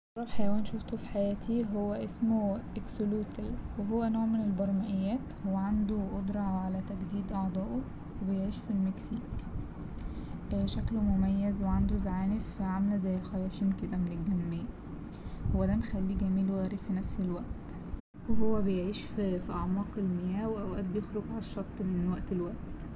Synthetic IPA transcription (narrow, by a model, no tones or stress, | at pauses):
ɑɾˤɑfħajæwæːnʃoft̪ofi̥ħajæːt̪ʰiɦowːæʔesmoʔeksoluːt̪ælweɦowːænoːʕmenelbɑɾˤmæʔejːæːt̪howːæʕand̪oʔod̪ɾˤɑʕʕalæt̪æɡd̪iːd̪ʔɑʕd̪ˤɑːʔo | webejeʕiːʃfilmeksiːk | ʃæklmomæjːæzweʕand̪ozʕaːnefiʕamlæzæjːelxɑjːɑʃiːnked̪æmenelɡæmːeː | howːæd̪æmexælːiːɡæmiːlowɣæːɾifinæfselwæʔt̪ | weɦowːæbejeʕiːʃffiʔɑʕmɑːqelmejæːweʔæwʔæːd̪̚bejexɾoɡʕalæʃːɑt̪ˤːmenwæʔt̪elwæʔt̪